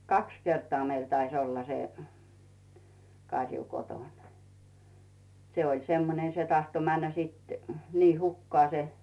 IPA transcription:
kɑks kertŏɑ meil tɑis olːɑ se kɑrʲju kotoˑn se olʲ semːone se tɑhto mænːæ siˑt niː hukːŏɑˑ se

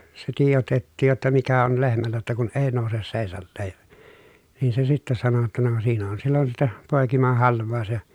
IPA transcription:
se tiːjotetːiːj jotːɑ mikæ on lehmælːæ jotːɑ kun eː noˑuses seˑisɑlːeːj jɑ niːn se sitːæ sɑno jotːɑ no siːn on silːon sitːæ poˑekimɑhɑlʋˑɑˑu̞s jɑ

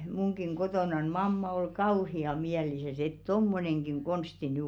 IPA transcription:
muŋkiŋ kotoˑnɑn mɑmːɑ ol kɑuhiɑ miælisæs et tomːoneŋɡ̊iŋ ɡ̊onsti nyˑ

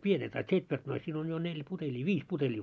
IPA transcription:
pienet ɑ tsʲetʋertnois siːn on jo nelʲ putelʲiː ʋiːs putelʲiː

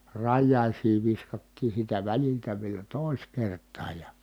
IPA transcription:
rɑjːɑˑisiː ʋiskɑtːiːn̞ siːtæ ʋæliltæ ʋielæ toˑis kertˑɑːj jɑ

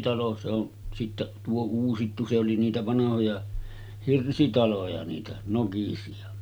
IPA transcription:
tɑlo se on sitːæʔ tuo uːsitːu se oli niːtæ ʋɑnɑhojɑ hirsitɑlojɑ niːtæ nokisiɑ

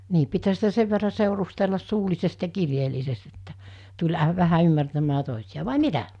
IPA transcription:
niː pithæ sitæ seʋ ʋerːɑ seˑurustelːɑs suːlisest jɑ kirjeːlːisest etːæ̥ tulʲ ɑ ʋæhæ ymːærtæmːæː toˑisij̆ɑ ʋɑˑi mitæ

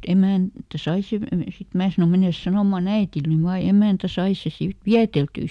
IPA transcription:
emæˑntæ sɑi seʋ ʋe sit mæː sɑno menes sɑnoˑmɑn æitil ny ʋɑː jɑ emæˑntæ sɑi se siʋ ʋiæteltyː

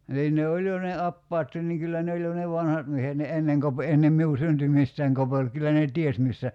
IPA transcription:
niːn ne olʲ jo ne ɑpːɑːtːin niŋ kylːæ ne olʲ jo ne ʋɑnhɑt miehet ni enːeŋ kope enːem miu syntymistæiŋ kopel kylːæ ne ties misːæ

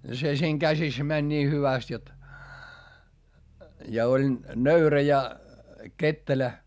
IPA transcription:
se siːŋ kæsis mænʲ niː hyʋæst jot jɑ olʲ nøyræ jɑ ketːelæ

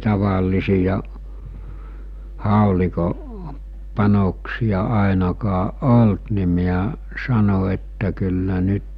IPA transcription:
tɑʋɑilisijɑ hɑˑoliko pɑnoksij̆ɑ ɑˑenɑkɑʔ ʔolt ni miæ sɑno etːæ kylːæ nyt

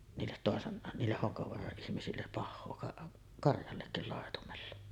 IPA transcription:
niːlːet toˑesen niːlːeh hoŋkɑʋoɑrɑʔ ʔihmisilːep pɑhːoː kɑʔ kɑrjɑlːekːil lɑˑetumelːɑ

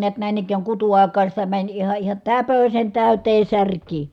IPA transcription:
niæt næˑin ikˑæːŋ kutuɑˑi̯kɑːn̞ sitæ mænʲ ihɑ ihɑ tæpøsen tæˑyteː særˑkiː

